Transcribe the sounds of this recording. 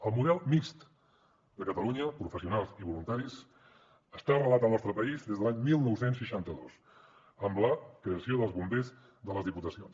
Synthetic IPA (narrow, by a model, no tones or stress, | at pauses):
əlˠmuðɛlˠmist̪ | d̪əkət̪əluɲəpɾufəsiunalˠziβulunt̪aɾis | əst̪arəlat̪əlˠnɔst̪ɾəpəizðezðəaɲmilˠnɔwsensʃəʃant̪əðos | əmləkɾeəsioðəlˠzβumbez | ðələzðiput̪əsions